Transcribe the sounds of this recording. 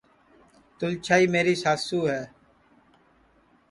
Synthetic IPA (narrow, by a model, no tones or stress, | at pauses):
t̪ʊlt͡ʃʰaːiːmeːɾiːsaːsuːɦɛː